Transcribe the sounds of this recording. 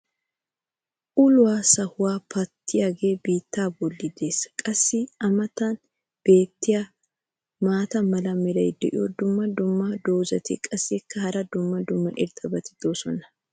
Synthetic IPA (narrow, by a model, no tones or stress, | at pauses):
ʔʊlʊwaːsɐhʊwaːpɐt̪ʰːɪjaɡeːbiːt̪ːaːbɔlːɪd̪e̞ːsɐ̥kʼɐsːɪɐmɐt̪ɐn | b̥e̞ːt̪ːɪja | maːt̪ɐmɐlɐmɪɾɐjd̪ɛʔɪ̰jɔd̪ʊmːɐd̪ʊmːɐd̪o̞ːzɐt̪ɪkʼɐsːɪkːɐhɐɾɐd̪ʊmːɐd̪ʊmːɐʔɪɾt̪ʼɐbɐt̪ɪ̥d̪̥oːsɔnɐ̥